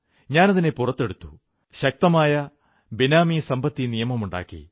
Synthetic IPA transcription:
ɲaːnɐðine̞purɐt̪ːe̞ɽut̪ːu | ɕɐk̚t̪ɐmaːjɐ | binaːmisɐmbɐt̪ːinijɐmɐmuɳɖa̰ːkːḭ

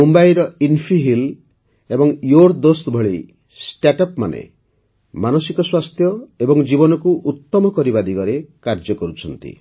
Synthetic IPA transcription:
umbajɾɔinpʰiɦil | ebɔŋjoɾd̪ost̪bʱɔɭi | sʈaʈɔpma̰nḛ | manɔsikɔswast̪ʰjɔebɔŋd͡ʒibɔnɔkuʔut̪ːɔmɔkɔɾibad̪iɡɔɾekaɾd͡ʒɔkɔɾut͡ʃʰɔnt̪ḭ

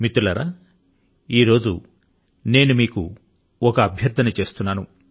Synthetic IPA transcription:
mit̪ulɐɾaː | iːɾo̞ːd͡ʒu | ne̞ːnumiːkṵ | ɔkɐːbʱjɐɾd̪ʱɐnɐt͡ʃe̞ːst̪unːaːnu

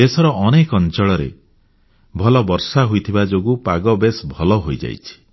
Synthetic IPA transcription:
esɔɾɔʔɔnekɔnt͡ʃɔɭɔɾḛ | bʱɔlɔbɔɾsaɦojt̪ʰibad͡ʒoɡupaɡɔbesbʱɔlɔɦojd͡ʒa̰jt͡ʃʰi̥

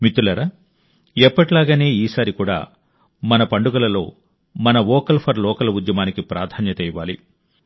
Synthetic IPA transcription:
mit̪ːulɐɾa | ɛpːɐʈilaːɡaːne̞ːiːsaːɾikuːɽa̰ː | mɐnɐpɐɳɖuɡɐlɐlo̞̰ː | mɐnɐʋɔːkɐlpʰɐɾlɔːkɐlɐud̪jɐmaːnikipɾaːd̪ʰʱaːnjɐt̪ɛjʋaːlḭ

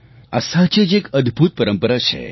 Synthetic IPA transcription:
ə̰sat͡ʃed͡ʑekəd̪ʱbʱut̪̚pəɾəmpəɾat͡ʃʰḛ

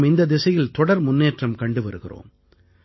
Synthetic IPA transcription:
mɪnd̪ɐd̪ɪsɐjɪlt̪ɔɽɐɾmʊnːeːʈrɐmkɐɳɖɯʋɐɾɯɣɪ̰ro̰ːm

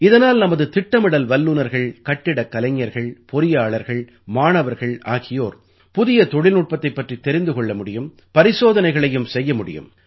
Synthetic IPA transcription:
ɪðɐnaːlnɐmɐðɯt̪ɪʈːɐmɪɽɐlʋɐlːunɐɾɣɐɭkɐʈːɪɽɐkːɐlɐŋːɐɾɣɐɭpɔɾɪjaːɭɐɾɣɐɭ | maːnɐʋɐɾɣɐɭaːɣɪjoːɾ | pʊðɪjɐt̪ɔɽɪlnuʈ̚pɐt̪ːɐɪpːɐʈrit̪ːɛɾɪnd̪ɯkɔɭːɐmʊɽɪjɯm | pɐɾɪsoːðɐnɐɪɣɐɭɐjɯmsɛjːɐmʊɽɪ̰jɯ̰m

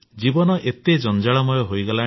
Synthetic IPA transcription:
d͡ʒibɔnɔʔet̪ed͡ʒɔnd͡ʒaɭɔmɔjɔɦojɡɔla

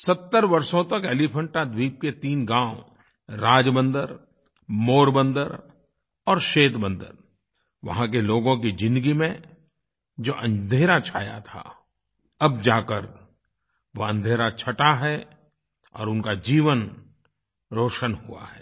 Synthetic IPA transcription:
sɐt̪ːəɾʋɐɾsõt̪ɐkɛːlipʰə̃ɳʈad̪wiːp̚ket̪iːnɡãːʊ | ɾaːd͡ʒbə̃nd̪əɾ | moːɾbə̃nd̪əɾ | ɔːɾʃeːt̪bə̃nd̪ə̰ɾ | ʋɐ̰ɦãk̬eloːɡõkid͡ʒɪ̃nd̪əɡimẽ | d͡ʒoːʔə̃nd̪ʱeːɾat͡ʃʰaːja̰t̪ʰa̰ː | ɐbd͡ʒaːkəɾ | ʋoɐ̃nd̪ʱeːɾat͡ʃʰɐʈaɦɛ | ɔ̰ːɾʊnkad͡ʒiːʋən | ɾoːʃənɦʊa̰ɦɛː

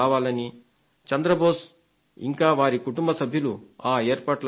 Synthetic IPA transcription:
aːʋaːlɐni | t͡ʃɐnd̪ɾɐboːs | ḭŋkaːʋaːɾikuʈumbɐsɐbʱjuluaːeːɾpaːʈl

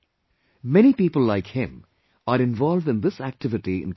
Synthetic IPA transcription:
mɛñipiːpəlˠaɪkhɪ̃m | əɾɨ̃ɱvɑlˠvdɨ̃nðɪsæk̚tʰɪvɨtiɪ̰̃n

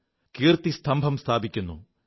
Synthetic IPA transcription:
kiːrt̪ist̪ʰɐmbʱɐmst̪ʰaːbikʲːunːṵ

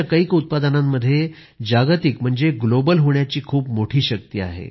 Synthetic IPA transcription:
akəikut̪̚pad̪ənãmːəd̪ʱːje | d͡ʑaɡt̪ikm̤əɳd͡zeɡlobəlɦoɳjat͡ɕiːkʰuːpmoʈʰiːɕək̚t̪iːa̰ɦḛ

